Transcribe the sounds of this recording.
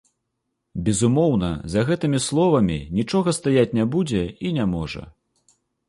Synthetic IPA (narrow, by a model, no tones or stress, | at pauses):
bʲɛzumɔwnɐ̰zɐɣɛt̪ɨmʲislˠɔvɐmʲḭnʲit͡ʂɔɣɐst̪ajat͡sʲnʲɛbud͡zʲɛinʲamɔʐɐ̰